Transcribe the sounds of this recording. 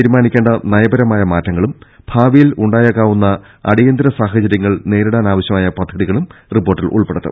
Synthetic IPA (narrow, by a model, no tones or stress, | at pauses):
iɾumaːnikʲːeːɳɖɐnɐjɐbɐɾɐmaːjɐmaːtːɐŋːɐɭum | bʱaːʋijiluɳɖaːjɐkːaːʋunːɐ | ɐ̰ɽijɐnd̪ɾɐsaːxɐt͡ɕɐɾjɐŋːɐɭne̞ːɾuɽaːnaːʋɐɕjɐmaːjɐpɐd̪ʱːɐðiɣɐɭumripːo̞ːrʈːilʔṵɭpeɽɐt̪ːɨ̰